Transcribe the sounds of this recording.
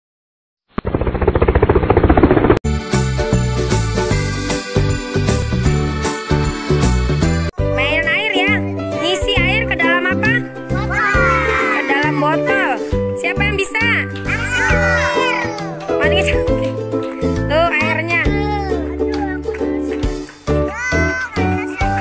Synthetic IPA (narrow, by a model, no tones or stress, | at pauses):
maanaɪrja | ŋisiaɪrkədalamapa | kədalambɔt̪ɔlsiapajaŋbisa | aɪr | manikit͡ʃa | t̪oaɪrɲa